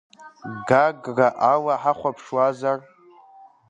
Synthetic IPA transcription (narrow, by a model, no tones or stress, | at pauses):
ɡaɡraʔawaħaχʷapʰʂwazar